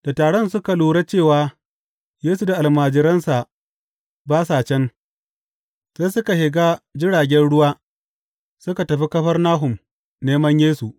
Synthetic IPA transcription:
d̥a˨taː˨ɽɔ˦nsʊ˦ka˨luː˨ɽa˦t͡ʃeː˦˨waː˨˦ | jeː˦su˨da˨ʔa˨lmaː˨d͡ʒɪ˦ɾɐ˦nsa˨ | baː˦saː˨t͡ʃɛ˦n | seː˦sʊ˦ka˨hɪ˨ɡaː˦d͡ʒɪ˦ɽaː˨ɡʲɛ˦nɽʊ˦waː˦ | sʊ˦ka˨tɐ˨ɸi˦kɐ˦ɸɐ˦rnaː˦ɦʊ˨m | neː˦mɐ˦ɲjeː˦su˨ʔ

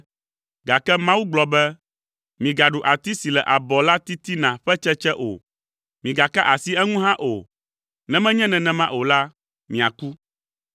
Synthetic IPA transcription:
ɡa˨kɛ˦mã˦wu˦ɡ͡blɔ˨bɛ˦ | mĩ˨ɡa˨ɖu˨ʔa˨t̪i˦si˨lɛ˨ʔa˨bɔ˨la˦t̪i˦t̪i˦nã˨ɸɛ˦t͡ʃɛ˦t͡ʃɛ˦ʔo̰˨ | mĩ˨ɡa˨ka˦ʔa˨si˦ɛ˦ŋũ˦ɦã˦ʔo˨ | nɛ̃˦mɛ̃˦ɲɛ̃˦nɛ̃˨nɛ̃˦mã˦ʔo˨la˦ | mĩ˨a̰˨ku˦

